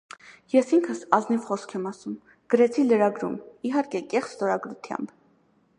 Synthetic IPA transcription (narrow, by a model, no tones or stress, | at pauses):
jɛsiŋkʰəsɑznivχɔskʰɛmɑsum | ɡ̥əɾɛt͡sʰiləɾɑɡɾṵmiɦɑɾkɛkɛχsst̪ɔɾɑɡɾut̪ʰjɑ̰mb